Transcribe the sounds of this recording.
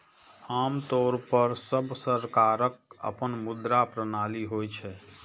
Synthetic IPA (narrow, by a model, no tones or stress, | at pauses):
aːmt̪oɾpəɾsəbsəɾkaɾək̚ə̰pənmud̪ɾapɾənaːliɦojt͡ʃʰɛ